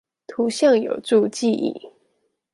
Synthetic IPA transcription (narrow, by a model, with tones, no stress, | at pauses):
t̪ʰu˧˦ɕjɑ˥˩ŋjo˨˩ʊt͡su˥˧t͡ɕi˥˧ḭ˥˩